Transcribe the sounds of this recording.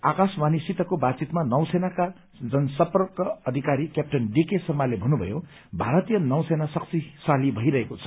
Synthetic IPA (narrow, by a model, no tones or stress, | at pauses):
akasmanisit̪ʌkobad̪t͡sit̪manʌw̃senaka | d͡zʌnsʌprʌkʌʌd̪ʱikaɾikjap̚ʈʌnɖikesʌmalebʱʌnːubʱʌ̰jo | bʱaɾʌt̪ijʌnʌw̃senasʌk̚t͡sisalibʱʌiɾʌɦekot͡sʰʌ̥